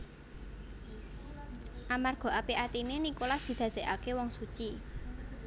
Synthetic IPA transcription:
ʔamarɡ̥ɔ̤ʔapiʔat̪inenikolasd̪̥i̤d̪̥ä̤d̪̥e̤ʔakewɔŋsut͡ʃi

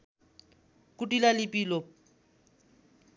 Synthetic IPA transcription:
kutʼilalɪpʼilɔ

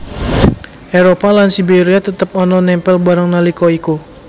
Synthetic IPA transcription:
ʔeɾopalansibeɾiat̪ət̪əp̚ɔnɔnɛmpɛlbaɾaŋnalikɔiko

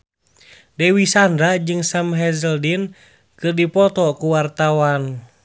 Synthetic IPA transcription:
dɛwisandɾad͡ʒɨŋsamɦɛzəldin | kɨrdipɔt̪ɔkuwart̪awan

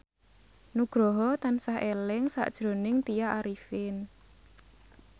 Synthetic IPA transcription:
nuɡ̥ɾɔɦɔt̪ansaɦelɪŋsa̰ʔd̥ʒ̥ɾo̤nɪŋt̪ijaʔaɾifɪn

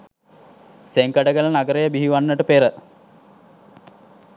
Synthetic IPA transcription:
seŋkəɖəɡələnaɡəɾejəbiɦiʋanːəʈəpeɾə

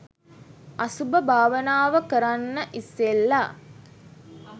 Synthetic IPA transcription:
asubəbʱaːʋənaːʋəkəɾanːəʔisːelːa

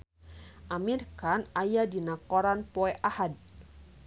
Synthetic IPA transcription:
ʔamirkanajadinakɔɾanpɔɛʔahad̚

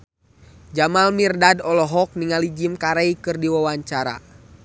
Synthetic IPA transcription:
d͡ʒamalmirdadɔlɔɦɔk̚niŋalid͡ʒimkaɾaikɨrdiwawaɲt͡ʃaɾa̰

